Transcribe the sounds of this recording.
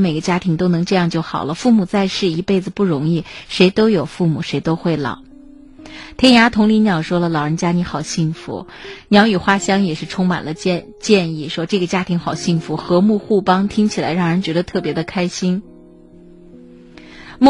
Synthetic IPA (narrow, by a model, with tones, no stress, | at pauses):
me˨˩ɪɡə˦t͡ɕja˥t̪ʰi˧˥ŋt̪o˥ʊnɤ˧˥ŋʈ͡ʂɤ˥˧jɑ˥˧ŋt͡ɕjo˥˩ʊxɑ̰˨˩ʊlə˦fu˥˩mu˨˩t͡sa˥˧ɪʂɻ̩˥˩i˧˥pe˥˩ɪd͡zɹ̩˩pu˥˩ɻʊ˧˥ŋi˥˩ʂe˧˥ɪt̪o˥ʊjo˨˩ʊfu˥˩mu˨˩ʂe˧˥ɪt̪o˥ʊxwe˥˩ɪlɑ̰˨˩˦ | t̪ʰɛ˥ja˧˥t̪ʰʊ˧˥ŋli˧˥njɑ˨˩ʊʂwɔ˥lə˨lɑ˨˩ʊɻə˧˥nt͡ɕja˥ni˧˥xɑ˨˩ʊɕi˥˩ŋfṵ˧˩˦njɑ˧˥ʊy˨˩xwa˥ɕjɑ˥ŋjɛ˨˩ʂɻ̩˥˩˧ʈ͡ʂʰʊ˥ŋma̰˨˩nlə˦t͡ɕ | t͡ɕjɛ˥˧ni˥˩ʂwɔ˥ʈ͡ʂɤ˥˩ɡə˩t͡ɕja˥t̪ʰi˧˥ŋxɑ˨˩ʊɕi˥˩ŋfu˧˥xɤ˧˥mu˥˧xu˥˩pɑ˥ŋt̪ʰi˥ŋt͡ɕʰi˨˩la̰˧˥ɪɻɑ˥˩ŋɻə˧˥nt͡ɕɥɛ˧˥d̪ə˧t̪ʰɤ˥˩pjɛ˧˥d̪ə˧kʰa˥ɪɕi˥n | m˥